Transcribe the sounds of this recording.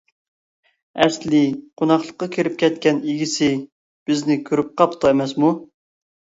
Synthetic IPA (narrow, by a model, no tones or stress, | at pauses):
ɛslɪqʰonɑχlˠə̥qːɑkʲʰeɾɪp̚kʲʰɛt̪kʲɛniɡʲisɪ | b̥ɪznɪkʲʰøɾyp̚qɑpt̪ʰɑemɛsmu